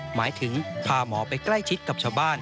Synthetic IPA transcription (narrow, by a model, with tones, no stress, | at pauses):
maː˩˦jt̪ʰɯ˩˦ŋpʰaː˧mɔː˩˦pa˧jkla˥˩jt͡ɕʰi˦˥t̪̚ka˨˩t͡ɕʰaː˧wbaː˥˩n